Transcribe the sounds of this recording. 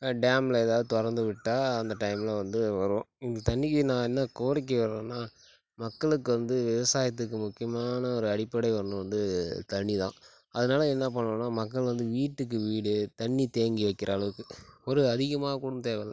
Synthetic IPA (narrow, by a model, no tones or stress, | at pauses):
ɖaːmlɐɛːðaːʋðɯt̪ɔɾɐnd̪ɯʋɪʈːaːɐnd̪ɐʈɐɪmlɐʋɐnd̪ɯʋɐɾɯʋõːɪnd̪ɐt̪ɐɳːɪkːnãːɛnːɐkoːɾɪk̬ːiʋɐɾẽːnːaː | mɐkːɐɭɯkːɯʋɐnd̪ɯʋɪʋɐsaːjɐt̪̬ːɯkːɯmʊkːɪjɐmaːnɐɔɾɯɐɽɪpːɐɽɐɪʋɐnɯʋɐnd̪ɯt̪ɐɳːit̪ã̰ː | ɐðɯnaːlɐɛnːɐp̬ɐɳːõːnːaːmɐkːɐɭʋɐnd̪ɯʋiːʈːɯkːɯʋiːɽɯt̪ɐɳːit̪eːŋɡiʋɐkːɪɾɐːɭɐʋɯkːɯɔɾɯɐðɪɣɐmaːnɐkuːɽɐʊmt̪eːʋɐlɐ